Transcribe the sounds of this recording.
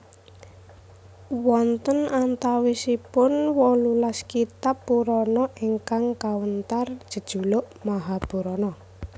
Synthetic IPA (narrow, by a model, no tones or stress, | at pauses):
wɔnt̪ənant̪awisipʊnwɔlulaskit̪apːuɾɔnɔʔeŋkaŋkawənt̪ar̥ʒ̥ə̤d̥ʒ̥ṳloʔmaɦab̥ṳɾɔnɔ